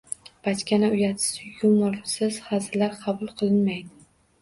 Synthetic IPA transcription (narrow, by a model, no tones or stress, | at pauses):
b̥at̪kʲʰanaʊjat̪ʰɪ̥sɪjʊmʊɾsɪz̥χɑzɪlaɾqʰɑbʊlˠqʰɨlˠɪnmajd̪ɪ